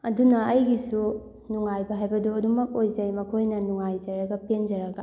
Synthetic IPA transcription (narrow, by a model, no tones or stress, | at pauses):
ɐdunɐɐjɡisu | nuŋajbɐɦajbɐduɐdumɐk̚ojzɐjmɐkʰojnɐnuŋajzɐɾɐɡɐpend͡ʒɐɾɐɡɐ